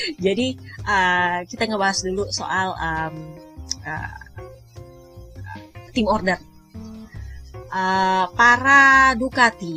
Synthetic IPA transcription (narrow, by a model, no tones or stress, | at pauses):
d͡ʒadiʔəkit̪aŋəbaɦasduluso̰ʔaləm | ə̰ | t̪ɪmɔrdər | ʔəpaɾadukat̪i